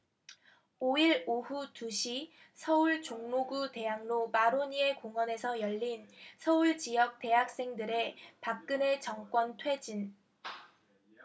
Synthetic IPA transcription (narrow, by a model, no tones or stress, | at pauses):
oiɾoɦutuɕʰi | sʰʌuɭt͡ɕoŋnoɡute̞jaŋnopaɾoɲie̞koŋwʌne̞sʰʌjʌʎːinsʰʌuɭt͡ɕijʌk̚t͈e̞ɦak̚s͈e̞ŋdɯɾe̞pak̚k͈ɯne̞t͡ɕʌŋk͈wʌntʰwe̞d͡ʑin